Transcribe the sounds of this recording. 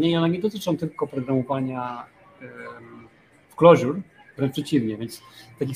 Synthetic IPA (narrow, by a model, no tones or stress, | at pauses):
ɲɛiɔnɛɲɛd̪ɔt̪ɘt͡ʂɔ̃w̃t̪ɘlkɔpɾɔɡɾamɔvaɲa | fklɔʑuɾvɾɛnʈ͡ʂpʂɛt͡ɕivɲɛvʲjɛnt̪st̪akʲix